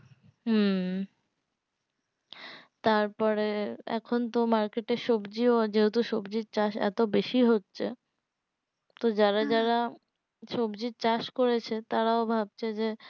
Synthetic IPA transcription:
ɦ | t̪aɾpɔɾeɛ̰kʰont̪omaɾkeʈeʃobd͡ʑiod͡ʑeɦut̪uʃobd͡ʑiɾt͡ɕaʃɛ̰t̪obeʃiɦotːɕʰḛ | t̪od͡ʑaɾad͡ʑaɾa | ʃobd͡ʑit͡ɕaʃkoɾet͡ɕʰet̪aɾaobʱab̚t͡ɕʰed͡ʑe

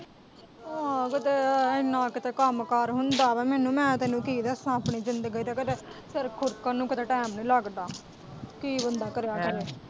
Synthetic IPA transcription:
ãːkɪt̪eːɪnːãːkɪt̪eːkəmkəɾɦʊnd̪aːʋɛmɛːnũːmɛ̃ːt̪eːnũːkiːd̪eəsãːpɳiːd͡ʒɪnd̪əɡəiːd̪aːkɪt̪eː | səɾkʰʊɾkaːnũːkɪt̪eːʈɛːmnũːləɡd̪aː | kiːbənd̪aːkəɾejaːkəɾeː

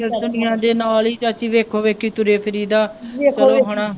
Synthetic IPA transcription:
d̪ʊnɪjãːd̪eːnaːliːt͡ʃət͡ʃiːʋeːkʰoːʋeːkʰiːt̪ʊɾeːpʰəɾiːd̪aːt͡ʃəloːɦoɽ̃ãː

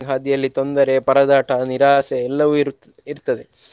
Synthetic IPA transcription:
ŋɡɦaːd̪ijɐlːit̪o̞nd̪ɐɾepɐɾɐd̪aːʈʰɐniɾaːseːlːɐʋu | iɾt̪ːɐd̪e

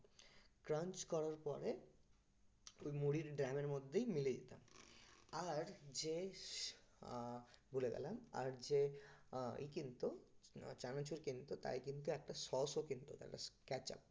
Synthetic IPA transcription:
kɾãnt͡ɕkɔɾaɾpɔ̰ɾe | ojmuɽiɾɖɾameɾmod̪ʱːejmiled̪ḭt̪a̰m | aɾd͡ʑe | buleɡɛ̰lama̰ɾd͡ʑe | ḭkint̪ut͡ɕanat͡ɕʰuɾkint̪ut̪a̰jkint̪uɛk̚ʈasɔsokint̪ut̪a̰ʈa̰kɛt͡ɕa̰p̚

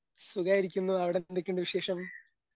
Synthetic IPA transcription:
suɡaːjiɾikʲːunːuɐʋiɽed̪ekʲːuɳɖɨʋiɕe̞ːʂɐm

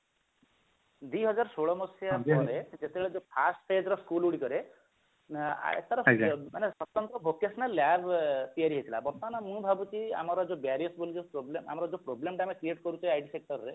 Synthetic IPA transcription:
d̪iɦɔd͡ʒaɾsoɭɔmɔsjapɔɾed͡ʒet̪ebeɭed͡ʒopʰasʈpʰed͡ʒɾɔskuluɽikɔɾe | ḛt̪aɾɔmanesɔt̪ːɔnt̪ɔbʱokesnalːabʱt̪ijaɾiɦet̪ʰila̰bɔɾt̪ɔanamũbʱabut͡ʃʰia̰mɔɾɔd͡ʒobaɾiɔsbolid͡ʒepɾoblema̰mɔɾɔd͡ʒopɾoblemʈamekɾieʈkɔɾut͡ʃʰajajʈisek̚ʈɔɾɔɾe

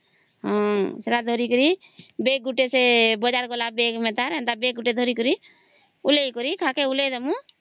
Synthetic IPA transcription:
ɦãːsɾad̪ʱoɾikəɾi | beːk̚ɡʊʈesebɔd͡ʒaɾkolabeːkmɛ̃t̪aɾɛ̃nd̪abeːk̚ɡʊʈed̪ʱoɾikəɾi | ʊleikoɾikʰakeʊled̪əmũ

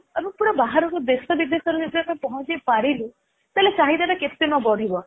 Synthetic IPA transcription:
ebũpuɽɔbaɦaɾɔkɔd̪esɔbid̪esɔɾɔd͡ʒed͡ʒ̪aʈapɔɦɔ̃t͡ʃepaɾilu | t̪alet͡ʃaɦid̪aʈaket̪enɔbɔɽ̤ʱibɔ

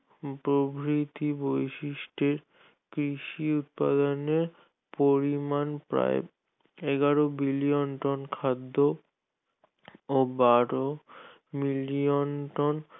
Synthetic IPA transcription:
pɾobʱɾit̪ibojʃiʃʈeɾ | kɾiʃiut̪̚pa̰d̪oneɾ | poɾimanpɾa̰ḛ | eɡaɾobilijonʈɔnkʰad̪ːo | obaɾo | milionʈɔn

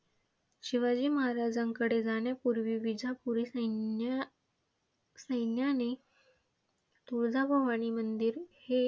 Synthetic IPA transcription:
ɕiʋad͡ʑiːməɦaɾad͡zaŋkəɽed͡zaɽjapuɾʋiːʋid͡zʱapuɾi | səjnjane | t̪uɭd͡zʱabʱəʋaɽ̃iːmənd̪iːɾhe

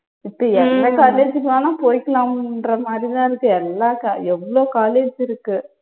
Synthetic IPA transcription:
ɪpːoːɛnɾɛ̃kaːleːd͡ʒɯkːɐnãːnãːpoːɪkːɐlãːrɐmaːd̪ɾit̪ãːɪɾɯkːɯɛlːaːkaɛʋːɐɭoːkaːleːd͡ʒɪɾɯkːɯ

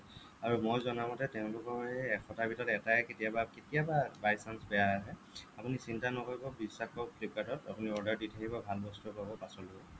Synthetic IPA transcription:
aɹumojzɔnamɔtɛteʊ̃lʊkɔɛkʰɔtabʱitɔtɛtaɛketijabaketiababajsansbɛjaaɦɛ | apunisintanɔkoɹibɔbisːaxɔplipatɔta̰puniɔɹdaɹditʰakibɔbʱalbɔstupabɔpasɔlɔbɔ

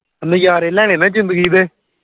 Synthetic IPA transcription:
ənẽjaːɾeːlɛːneːnãːzɪ̃nd̪əɡiːd̪eː

